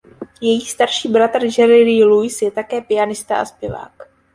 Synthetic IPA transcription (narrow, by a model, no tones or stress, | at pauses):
jɛjiːst̪aɾʃiːbɾat̪r̩d͡ʒɛɾɪlilujsjɛt̪akɛːpɪanɪst̪a̰ʔa̰spɪva̰ːk